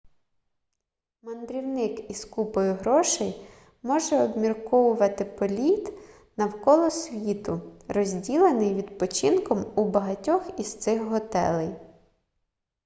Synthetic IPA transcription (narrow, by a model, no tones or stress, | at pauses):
mɐnd̪ɾʲiwnɪkiskupɔjʊɦɾɔʃɛj | mɔʒɛɔbmʲirkɔwʊʋɐt̪ɪpɔlʲit̪ | nɐwkɔlˠɔsʲʋʲit̪ʊrɔzʲdʲilˠenɪjʋʲid̪pɔt͡ʃɪnkɔmubɐɦɐtʲɔxist̪sɪxɦɔt̪ɛ̰lˠɪj